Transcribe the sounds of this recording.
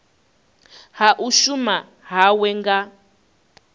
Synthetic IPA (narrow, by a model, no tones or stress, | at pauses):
haʔuʃuma | ɦawɛŋɡa